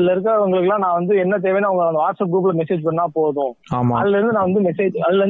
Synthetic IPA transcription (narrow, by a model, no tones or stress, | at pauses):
lːɐɪɾɯk̬ːʊŋɡɐɭɯkːɯlãːnãːʋɐnd̪ɯɛnːɐt̪̬eːʋẽːnːaːʋɐŋɡɐɭɐnd̪ɐʋaːʈsɐp̚ɡɾuːp̬ɪlɐmɛseːd͡ʒpɐɳːãːpoːðʊ̃ː | aːmaɐ̰ðɯlːɐɾɯnd̪ɯnãːʋɐnd̪ɯmɛseːd͡ʒɐðɯlːɐɾɯn